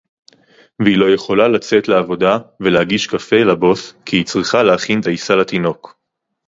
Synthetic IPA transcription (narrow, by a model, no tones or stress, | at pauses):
veilo̞je̞χo̞lalat͡se̞t̪leavo̞d̪aveleaɡiʃkafelabo̞skʰiːt͡sʁiχaleaχint̪aisalat̪ino̞k